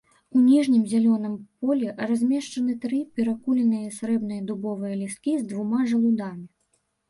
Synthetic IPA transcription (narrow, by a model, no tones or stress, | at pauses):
unʲiʐnʲimzʲalʲɔnɨmpɔlʲɛrazʲmʲɛʂt͡ʂɐnɨt̪ɾɨpʲɛɾakulʲɛnɨjɐsɾɛbnɨjɐd̪ubɔvɨjɐlʲiskʲizd̪vumaʐɐlˠud̪amʲi